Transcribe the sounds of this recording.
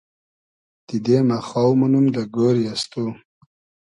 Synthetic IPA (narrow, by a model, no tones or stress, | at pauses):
d̪̥id̪emaxawmunumd̪aɡoɾjast̪u